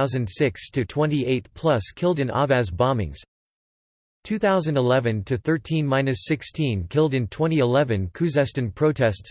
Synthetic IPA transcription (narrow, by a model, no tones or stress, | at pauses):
ʊzɨ̃nd̥sɪkstʰɨtʰw̥ɛ̃ntiʔeɪt̚pʰl̥ʌskʰɪlˠdɨ̃nʔɑ̰væzbɑ̃mɪ̰̃ŋz̥ | tʰʉθaʊzɨ̃n̩dəlɛvɨ̃ntʰɨθɜ˞tʰĩnmãɪ̃nɨsɪkstʰĩnkʰɪlˠdɨ̃ntʰw̥ɛ̃ɾ̃iɪlɛvɨ̃nkʰʉzɛstɨ̃npʰɹ̥oʊtʰɛsts